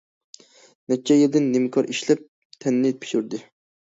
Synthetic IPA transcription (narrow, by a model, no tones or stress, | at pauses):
nɛt͡ʃʰːɛjeld̪ɪnːɪmkʰɑɾʔiʃlɛp̚ | t̪ʰɛnːɪpʰi̥ʃuɾd̪ɪ